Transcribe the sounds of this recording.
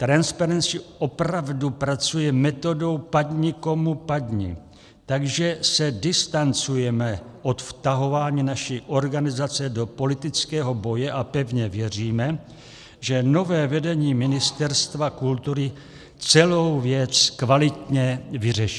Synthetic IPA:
t̪ɾanspaɾɛnt͡sɪʔopɾavdupɾat͡sujɛmɛt̪o̞do̞wpadɲɪko̞mupadɲḭ | t̪aɡʒɛsɛdɪst̪ant͡sujɛmɛʔo̞t̪ft̪aɦo̞vaːɲiːnaʃiʔo̞ɾɡanɪzat͡sɛdo̞po̞lɪt̪ɪt͡skɛːɦo̞bo̞jɛʔapɛvɲɛvjɛr̝iːmɛ | ʒɛno̞vɛːvɛdɛɲiːmɪnɪst̪ɛɾst̪vakult̪uɾɪ | t͡sɛlo̞wvjɛt͡skvalɪt̪ɲɛvɪrɛʃɪ̥

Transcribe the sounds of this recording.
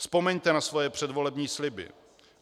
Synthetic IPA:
spo̞mɛɲt̪ɛnasvo̞jɛpr̥ɛdvo̞lɛbɲiːslɪbɪ̰

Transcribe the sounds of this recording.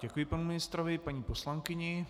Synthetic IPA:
ɟɛkujɪpanumɪnɪst̪ɾovɪpaɲiːposlaŋkɪɲɪ

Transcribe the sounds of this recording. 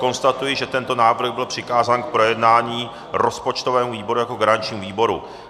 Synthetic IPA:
ko̞nst̪at̪ujɪʒɛt̪ɛnt̪o̞naːvr̩ɣbɪlpr̝̥ɪkaːzaːnk̚pɾo̞jɛdnaːɲiː | ɾo̞spo̞t͡ʃt̪ovɛːmuviːbo̞ɾujako̞ɡaɾaɲt͡ʃɲiːmuviːbo̞ɾu

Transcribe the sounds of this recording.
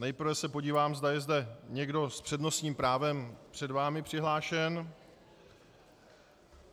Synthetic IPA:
nɛjpr̩ɾ̩vɛsɛpo̞ɟiːvaːmzd̪ajɛzdɛɲɛɡdo̞spr̥ɛdno̞sɲiːmpɾaːvɛmpr̝̥ɛdvaːmɪpr̝̥ɪɦlaːʃɛn

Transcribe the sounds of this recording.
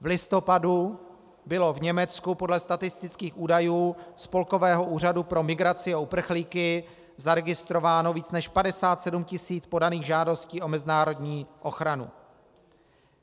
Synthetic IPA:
vlɪst̪o̞padu | bɪlo̞vɲɛmɛt͡skupo̞dlɛst̪at̪ɪst̪ɪt͡skiːxʔuːdajuːspo̞lko̞vɛːɦo̞ʔuːradupɾo̞mɪɡɾat͡sɪaupr̩xliːkɪ | zaɾɛɡɪst̪ɾo̞vaːno̞viːt͡snɛʃpadɛsaːt̪sɛdumcɪsiːt͡spo̞daniːɣʒaːdo̞sciːʔo̞mɛzɪnaːɾo̞dɲiːʔo̞xɾanṵ

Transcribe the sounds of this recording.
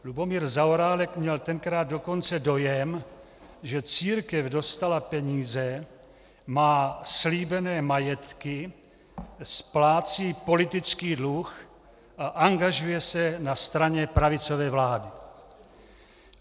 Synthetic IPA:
lubo̞miːɾzaoɾaːlɛkmɲɛlt̪ɛŋkɾaːd̪̚do̞ko̞nt͡sɛdo̞jɛm | ʒɛt͡siːɾkɛvdo̞st̪alapɛɲiːzɛ | maːsliːbɛnɛːmajɛt̪kɪ | splaːt͡siːpo̞lɪt̪ɪt͡skiːdlux | ʔaʔaŋɡaʒujɛsɛnast̪ɾaɲɛpɾavɪt͡so̞vɛːvlaːdɪ

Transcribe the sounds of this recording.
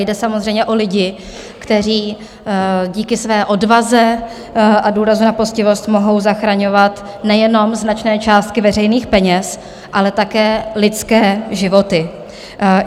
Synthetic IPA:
jdɛsamozr̝ɛjmɲɛʔo̞lɪɟɪ | kt̪ɛr̝iː | ɟiːkɪsvɛːʔo̞dvazɛ | ʔaduːɾazunaposcɪvo̞st̪mo̞ɦo̞wzaxɾaɲo̞vat̪ | nɛjɛno̞mznat͡ʃnɛːt͡ʃaːst̪̚kɪvɛrɛjniːxpɛɲɛs | ʔalɛt̪akɛːlɪtt͡skɛːʒɪvo̞t̪ɪ

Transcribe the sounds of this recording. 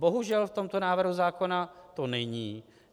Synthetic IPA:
boɦuʒɛlft̪o̞mt̪onaːvr̩ɦuzaːko̞nat̪onɛɲiː

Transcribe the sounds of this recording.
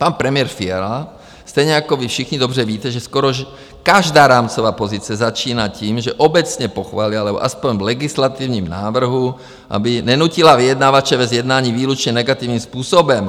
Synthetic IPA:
panpɾɛmɪɛɾfiɛɾa | st̪ɛjɲɛakɔʋifʃixɲid̪ɔbrɛʋiːt̪ɛʒɛskɔɾɔʒ | kaʒd̪aːɾaːmt͡sɔʋaːpɔzit͡sɪɛzat͡ʃiːnaciːmʒɛʔɔbɛt͡sɲɛpɔxʋaːlialɛbɔ̰ʔaspɔɲvlɛɡislat̪iːʊɲiːmnaːʋr̩ɦu | ʔa̰binɛnuːcilaʋijɛd̪naːʋat͡ʃɛʋɛzjɛd̪naːɲiːʋiːlut͡ʃɲɛnɛɡat̪iːvniːmspuːsɔbɛm

